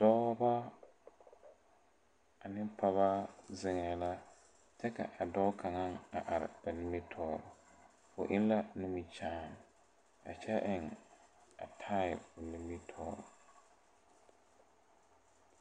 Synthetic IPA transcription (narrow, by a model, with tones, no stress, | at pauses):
d̥ɔ˦ba˦ | a˨nɪ˦pʰa˦βa˦zɪ˦ŋɛ˨la˦ | t͡ʃɛ˦ka̰˨ʔa˨dɔ˦kʰa˨ŋa˦ŋa˨ʔa˨ɾɪ̰˨ba˨nɪ˦mi˦tʰɔː˦ɾʊ˨ | fʊ̰˨ʔɪ˦n˦la˦nu˦mi˦t͡ʃaː˦˨n˨ | a̰˨t͡ʃɛ˦ʔɪ˨ŋ | a̰˨tʰa˦jɪ˨lbʊ˨nɪ˦mi˦tʰɔ̰ː˦ɾʊ̰˨